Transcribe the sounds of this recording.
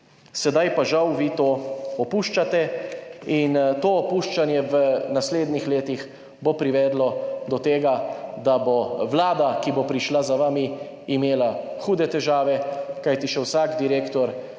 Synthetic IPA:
sɛd̪ajpaʒawʋit̪oːɔpuːʃt͡ʃat̪ɛ | int̪oːpuːʃt͡ʃanjɛʋənasleːd̪nixleːt̪ix | bopɾiʋɛːd̪lɔd̪ɔt̪eːɡad̪aboʋlaːd̪akibopɾiʃlazaʋaːmiː | meːla | xuːd̪ɛt̪ɛʒaːʋɛkajt̪iʃɛwsaːɡd̪iɾeːkt̪ɔɾ

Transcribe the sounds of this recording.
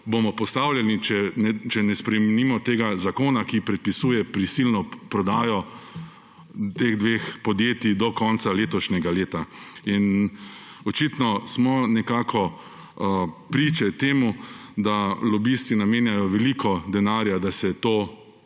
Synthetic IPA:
bomɔpɔst̪awlʲjanit͡ʃɛnɛt͡ʃɛnɛspɾɛmɛnimɔt̪eːɡazakoːnakipɾɛt̪̚pisuːjɛpɾisilnɔpɾɔd̪aːjɔ | t̪eːɣd̪ʋeːxpɔd̪jeːt̪id̪ɔkɔnt̪saleːt̪ɔʃnɛɡaleːt̪ain | ɔt͡ʃit̪nɔsmɔnɛkaːkʰɔ | pɾit͡ʃɛt̪eːmud̪alɔbist̪inameːnjajɔʋɛlikʰɔd̪ɛnaːɾjad̪asɛt̪oː

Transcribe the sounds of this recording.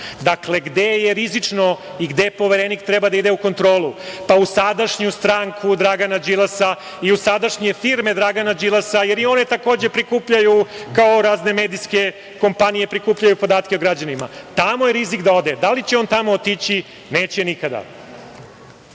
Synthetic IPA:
d̪akleɡd̪e̞jeɾizit͡ʂno | iɡd̪epo̞ʋeɾenikt̪ɾebad̪aid̪euko̞nt̪ɾo̞ːlˠupausad̪aʂɲust̪ɾaŋkʰud̪ɾaɡanad͡ʒilasa | iusad̪aʂɲe̞jfiɾme̞d̪ɾaɡanad͡ʒilasaje̞ɾio̞ne̞t̪ako̞ːd͡ʑe̞pɾikuːpʎajukaoɾaːzne̞med̪iske̞ | ko̞mpanije̞pɾikuːpʎajupo̞d̪aːt̪kʲeoɡɾad͡ʑanima̰t̪amojeɾizikd̪aod̪ed̪alit͡ɕeo̞nt̪amoot̪it͡ɕi | neːt͡ɕenikad̪a̰

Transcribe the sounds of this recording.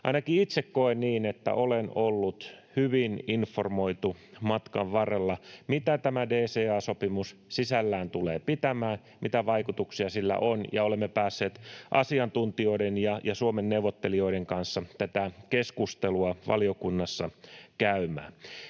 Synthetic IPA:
ɑinɑkiit̪sekkoenniːnet̪ːæ̰ʔolenolːut̪hyʋininformo̞it̪umɑt̪kɑʋʋɑrelːɑmit̪æt̪æmædeːseːɑːsopimussisælːæːnt̪uleːpit̪æmæːn | mit̪æʋɑikut̪uksiɑsilːæ̰ʔonjɑ̰olemːepæːsːeːt̪ʔɑsiɑnt̪unt̪io̞idenjɑjɑsuomenːewʋot̪ːelio̞iɾeŋkɑnsːɑt̪æt̪ækeskust̪eluɑʋɑ̰liokunːɑsːɑkæymæ̰ːn

